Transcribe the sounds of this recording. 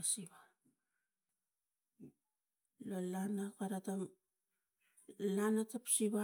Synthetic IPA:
asiβa | lolanakaɾatam | lanatapsiβa

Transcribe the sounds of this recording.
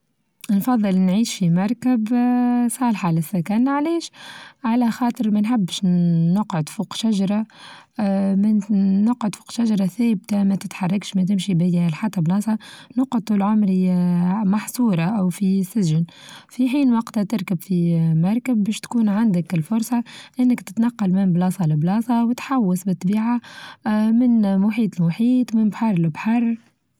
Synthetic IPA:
nfɑðˤːɨlnʕiːʃfimɑɾˤkəbsˤɑːlħalɪsːækænʕlɛːʃʕalæxɑːt̪ˤɨɾmɛnħabːʃnʊqʕʊd̪fuːqʃaʒɑɾˤɑ | mænʊqʕʊd̪fuːqʃaʒɑɾˤɑθæːbt̪amæt̪ɪt̪ħɑrˤːɑkʃmɛt̪̬ɪmʃibæjælħat̪ˤːɑblɑːsˤɑnʊqːʊd̪̚t̪ːˤuːlʕʊmɾimɑħsˤuːɾˤɑʔawfisɪʒɪnfiħiːnwɑqt̪at̪ɪɾkabfimɑɾˤkəbːɛːʃt̪kuːnʕand̪əkɪlfʊɾˤsˤɑʔɪnːəkt̪ɪ̥t̪nɑqːɑlmɪnblɑːsˤɑlɪblɑːsˤɑwɪt̪ħawːɪsbɪt̪ˤːbiːʕa | mɪnmʊħiːt̪ɪlmʊħiːt̪mɪnbħɑrˤlbħɑrˤ

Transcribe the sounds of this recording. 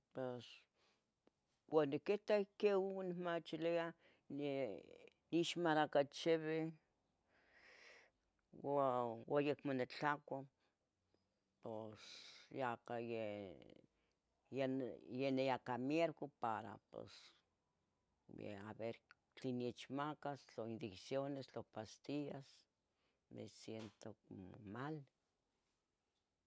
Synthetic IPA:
pes | kʷaniket̪akewwnemat͡ʃilea | ne | niʃmaɾakat͡ʃeβe | wawajekmanet͡ɬakʷa | posjakaje | jejenejakamjeɾkopaɾa̰po̰s | jḛa̰βeɾ | t͡ɬiniet͡ʃmakast͡ɬoind̪iksjonest͡ɬopast̪ias | mḛsjent̪ok̚mo̰mal

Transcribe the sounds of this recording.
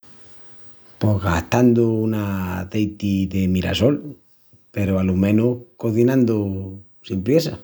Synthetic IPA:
poɣaht̪and̪uunaðejt̪iðemiɾa̰so̞l | pe̞ɾoalumẽnuhkoθinãnd̪o | simpɾjesa

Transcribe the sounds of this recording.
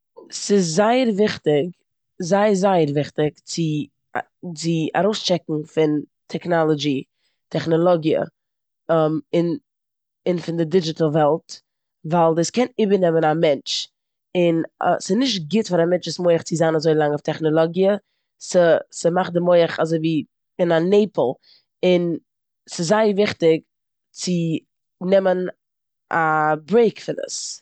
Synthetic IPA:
sɪzːaɪəɾvɪχtɪk | zaɪəɾzaɪəɾvɪχtɪkt͡sɪ̰ | t͡sɪa̰ɾoʊst͡ʃɛkŋ̩fɪn | tʰɛknɔlˠɔd͡ʒi | tʰɛχnɔlˠɔɡjə̰ | mɪn | ɪnfɪndɪdɪd͡ʒɪtəl̩ˠvɛlˠt | valˠdəskɛnɪbəɾnɛmənamɛnt͡ʃ | ɪn̰sɪnɪʃtɡɪtfaɾamɛnt͡ʃɪsmoɪəχt͡sɪzanazoɪlˠaŋɔftʰɛχnɔlˠɔɡiə | səsəmaχdɪmoɪəχazoɪviː | ɪnaneɪpl̩ˠ | ɪn | sɪzaɪəvɪχtɪk | t͡sɪ | nɛmən | ʔabɾeɪkfɪnə̰s

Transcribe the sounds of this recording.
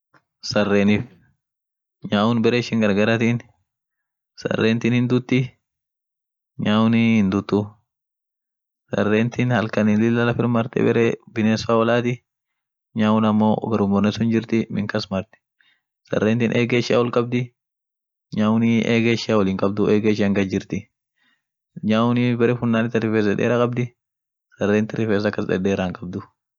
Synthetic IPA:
sɐrːeːnɪf | ɲaːwʊnbɛɾeːʃɪŋɡɐɾɡɐɾɐt̪in | sɐ̰rːeːnt̪ɪnhɪnd̪ʊt̪ːɪ | ɲaːwʊnhɪnd̪ʊt̪ːʊ | sɐ̰rːeːnt̪ɪnhɐlkɐnɪlɪlːɐlɐfɪɾmɐɾt̪ɛ̰bɛ̰ɾɛːbɪneːsaːwɐlaːt̪ɪ | ɲaːwʊnɐmːoːɡɐɾʊmɔɾnɛsʊnd͡ʒɪɾt̪ɪmɪ̰ŋkɐsmɐɾt̪ɪ̥ | sɐ̰rːent̪ɪnʔeːɡeːʃɪa̰wɔlkʼɐb̚d̪ɪ | ɲaːwʊnɪʔeːɡeːʃɪawɐlɪŋkʼɐb̚d̪ʊʔeːɡeːʃɪɐŋɡɐd͡ʒɪɾt̪ɪ | ɲaːʊnɪbɛɾɛfʊnːaːnɪt̪ːɐrɪfeːs̬ɛ̰ᶑḛːɾaːkʼɐb̚d̪ɪ | sɐrːeːnt̪ɪrɪfeːs̬ɐkːɐsɛ̰ᶑeːɾaŋkʼɐb̚d̪ʊ

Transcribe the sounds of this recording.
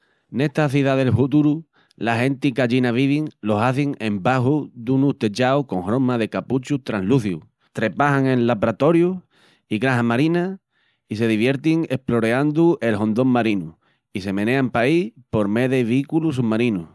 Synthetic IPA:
ne̞ht̪aθiðaðe̞lfut̪uɾu | laɦe̞nt̪ikaʎinaβ̞iβiŋlo̞saθiŋe̞mbaɦuðunuht̪e̞t͡ʃawko̞ŋhɾo̞maðe̞kaput͡ʃut̪ɾanluθjṵ | t̪ɾe̞paɦaŋẽ̞nlapɾat̪o̞ɾju | iɣɾaɦamaɾina | ise̞ðiβje̞ɾt̪iŋe̞plo̞ɾeand̪uʔe̞lɦõ̞nd̪o̞ŋmaɾinu | ise̞mene̞ampaipo̞ɾme̞ðeβiikulus̬uβmaɾinu

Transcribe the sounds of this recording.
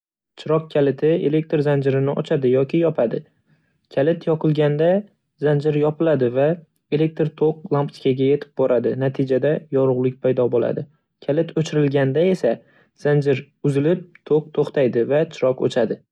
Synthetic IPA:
t͡ʃʰɪɾɒk̚kʲʰalɪt̪ʰɪe̞le̞k̚ʲt̪ɾzand͡ʒɪɾɪnɪʔɒ̰t͡ʃʰad̪ɪjɒkʲʰɪjɒpʰad̪ɪ | kʲʰalɪt̪ʰjɒqʰɨlˠɡʲand̪a | zand͡ʒɪɾjɒpɪlad̪ɪva | e̞le̞k̚ʲt̪ɾt̪ʰoq̚lˠampt̪ʰɪ̥kʲaɡʲaje̞t̪ʰɪ̥p̚bɒɾad̪ɪnat̪ʰɪd͡ʒad̪ajɒɾʊʁlˠɪk̚ʲpʰajd̪ɒbola̰d̪ɪ | kʲʰalɪt̪ʰɵt͡ʃʰɪɾɪlɡʲand̪ae̞sa | z̥and͡ʒɪɾ | ʊzɪlɪp̚t̪ʰoq̚t̪ʰoχt̪ʰajd̪ɪvat͡ʃʰɪɾɒqo̰t͡ʃʰad̪ɪ

